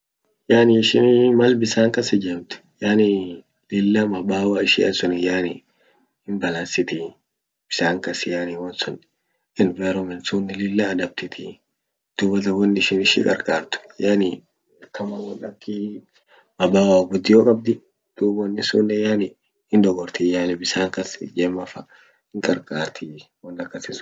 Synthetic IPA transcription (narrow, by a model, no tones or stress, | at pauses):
jaːnɪɪʃɪnmɐlbɪsaːŋkɐsɛd͡ʒɛmt̪ɪ̥ | jaːnɪ | lɪlːɐmɐbaːwaːɪʃɪɐsɔnɪjaːnɪ | hɪnbɐlansɪt̪ɪ | b̥ɪsaːŋkɐsɪjaːniwɔnsɔn | ʔɪnvaːɾɔmɛnsuːnːɪlɪlːɐːd̪ɐb̚t̪ɪt̪ʰɪ | d̪̥uːbɐt̪ɐwɔnːɪɪʃɪnɪʃɪ̰kʼɐ̰ɾkʼaːɾt̪ʊ̥janɪ | ɐkːɐmɐwɔnːɐkʰːi | mɐbaːwaːɡʊd̪ːɪjoːkʼɐb̚d̪ɪ | d̪̥uːbwɔnːɪsuːnːɛjanɪ | ɪnd̪ɔɡɔɾt̪ɪjaːnɪbɪsaːŋkɐsɪ̰d͡ʒɛːmːɐfɐ | hɪŋkʼɐɾkʼaːɾt̪ʰɪwɔnːɐkːɐsɪsʊ̥